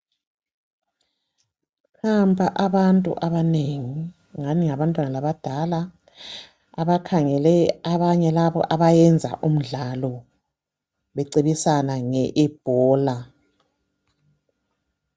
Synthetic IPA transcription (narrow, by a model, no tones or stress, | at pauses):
hambʱʼaʔaβantʼṵʔaβaneŋi | ŋaniŋaβantʼwanalaβad̥ʱala | aβakʰaŋɛlɛaβaɲɛlaβɔ̰ʔaβajɛnd͡zʱa̰ʔum̩ɮalɔ | βɛǀiβisanaŋɛʔɛb̥ʱɔːla